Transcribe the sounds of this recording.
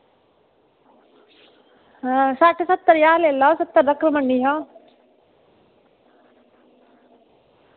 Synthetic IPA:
saːʈʰsɐt̪ːəɾjaːleːlɔːsɐt̪ːəɾd̪ɐkɾməɳɖiɦɔ̃

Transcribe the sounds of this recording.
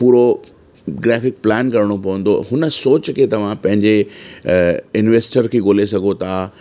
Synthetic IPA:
puːɾo | ɡɾɛːfɪk̚plɛːnkɐɾɪɽ̃opɐʋə̃n̆d̪oɦʊnə̆soːt͡ɕkʰeːt̪ɐʋ̤ãpɐ̃ɦɪ̃ɲd͡ʑe | ɪnʋeːsʈəɾkʰeːɡoːlesɐɡʱot̪ʰaː

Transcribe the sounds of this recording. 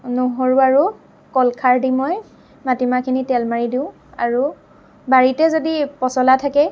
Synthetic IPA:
noɦoɹuaɹu | kɔlkʰaɹdimɔj | matimakʰinitɛlmaɹidiʊ̃ | a̰ɹu | baɹitɛzodipɔsɔlatʰakɛ

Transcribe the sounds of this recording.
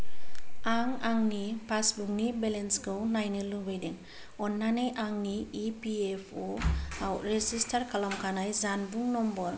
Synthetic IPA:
aŋaŋnipʰasbuŋnibɛlensɡownajnɯlubejdeŋ | ɔnːanejʔaŋniːpiepʰoawɾezistʰaɾkʰalamkʰanajzanbuŋnɔmbɔɾ

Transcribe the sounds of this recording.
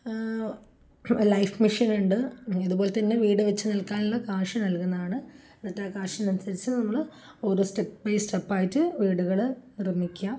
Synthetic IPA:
lɐjfmiʂɐnuɳɖɨiðubo̞ːlet̪ɐnːeʋiːɽɨʋɐt͡ɕːɨnɐlkaːnulːɐkaːʂɐnɐlkunːɐðaːɳɨ | enːɐt̪ːaːkaːʂɐnɐnsɐɾit͡ɕːɨnɐmːɐɭ | oːɾosʈepːɐjstepːaːjitːɨʋiːɽuɣɐɭnirɐmːikʲːa

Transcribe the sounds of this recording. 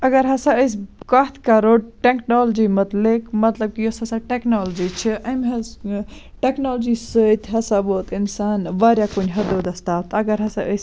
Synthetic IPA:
ɐɡəɾɦɐsãəjs̬kɐt̪ʰkaɾoɖʈeknold͡ʒimɐt̪lekmɐt̪ləb̚kijosɐsaʈeknoːld͡ʒit͡ʃʰiʔɐmɦɐsʈeknold͡ʒisət̪ɦɐsaboːt̪insaːnʋaɾjakunʲɦɐd̪od̪ɐst̪aːt̪ɐɡəɾɦɐsaʔəjs

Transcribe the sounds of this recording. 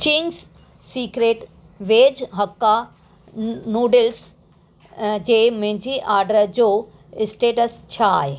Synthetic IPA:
t͡ɕiːns | siːkɾeːʈ | ʋeːd͡ʑɦɐkːa | nuːɖɪls | d͡ʑeːmɐ̃ɦɪ̃ɲd͡ʑiʔaːɾɖəɾd͡ʑoː | ɪsʈeːʈəst͡ɕʰaːɦeː

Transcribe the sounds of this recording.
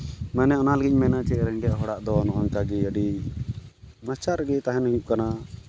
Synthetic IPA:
mɛnɛɔnaləɡic̚mɛnat͡ʃɛɾɛɳɖjaʔɦɔɽaʔd̪ɔnɔʔɔɲkaɡɛəɖi | mət͡ʃaɾɡɛt̪aɦɛnhujup̚kana

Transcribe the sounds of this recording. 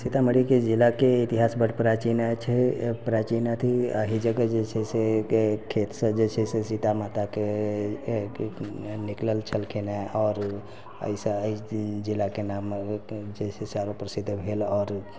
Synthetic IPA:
sit̪aməɽiked͡ʒilakeit̪iɦasbəʈpɾat͡ʃinat͡ʃʰɛpɾat͡ʃinat̪ʰiə̰ɦid͡ʒəɡəd͡ʒet͡ʃʰɛsekʰet̪sə̃d͡ʒet͡ʃʰɛsesit̪amat̪ake | nikləlt͡ʃʰəlkʰenaɔːɾ | ə̰isə̃əɦid͡ʒilːakenamd͡ʒesesaɾopɾəsid̪ʱːbʱelɔːɾ

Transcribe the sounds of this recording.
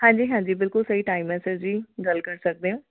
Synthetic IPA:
hãːɲd͡ʒiːɦãːɲd͡ʒiːbɪlkʊlsəiːʈaːimːɛːsed͡ʒd͡ʒiːɡəlkəɾsək̚d̪eːõː

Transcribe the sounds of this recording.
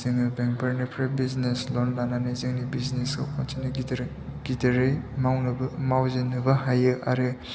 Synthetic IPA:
zɯŋɯbeŋpʰaɾnɯpʰɾebizneslɔnlananezɯŋnibiznesa̰kʰɔntinɯɾ | ɡ̥idɐɾɯjmawnɯbmawzenɯbaɦajɯa̰ɾɯ

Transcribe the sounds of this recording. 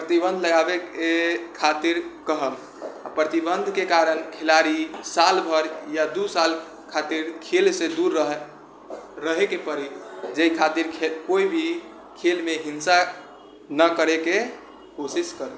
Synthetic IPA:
pɾət̪ibə̃nd̪ʱləɡabekekʰat̪iɾkəɦəm | a̰pɾət̪ibənd̪ʱkekaɾənkʰelaɾisalbʱəɾjad̪usal | kʰat̪iɾkʰelsed̪uɾəɦ | ɾəɦekepəɾid͡ʒekʰat̪iɾkʰekoibʱi | kʰelmeɦinsa | nəkəɾeke | kosiskəɾə

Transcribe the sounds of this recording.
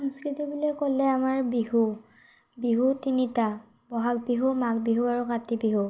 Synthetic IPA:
sɔŋskɹitibulɛkolɛamaɹbiɦu | biɦutinita | bɔɦak̚biɦumak̚biɦuaɹukatibiɦu

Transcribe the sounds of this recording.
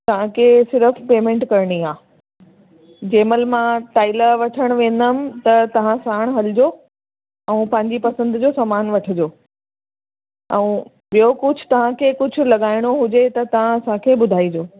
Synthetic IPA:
t̪ɐʋ̤ãkʰesɪɾəfpeːmẽːɳʈkɐɾɪɽ̃iãː | d͡ʑeːməlmãʈaːɪləʋɐʈʰəɽ̃ʋẽːn̆d̪əmɪ̆t̪ɐt̪ɐʋ̤ãsaːɽ̃ɦɐlɪd͡ʑoː | ɛ̃ːpɐ̃ɦɪ̃ɲd͡ʑipɐsə̃nd̪d͡ʑoːsaːmaːnʋɐʈʰɪd͡ʑoː | ɛ̃ũ | ɓijokʊd͡ʑʱʊ̥̆t̪ɐʋ̤ãkʰekʊd͡ʑʱʊ̆lɐɠaːɪɽ̃oɦʊd͡ʑet̪ɐt̪ɐʋ̤ãɐsãkʰeːɓʊd̪ʱaːid͡ʑoː

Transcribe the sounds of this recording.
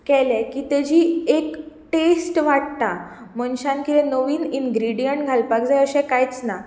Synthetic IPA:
kɛlɛkit̪əd͡ʑiːek | ʈesʈʋaʈt̪a | mənɕãnkilɛ̃noʋiːninɡɾiɽijəɳʈɡʱalpakd͡zajəɕɛ̃kajt͡sna

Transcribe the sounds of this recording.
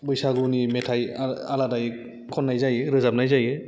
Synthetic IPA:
bɯjsaɡunimetʰajaaladaj | kʰɔnːajzajɯɾɯzap̚najzajɯ

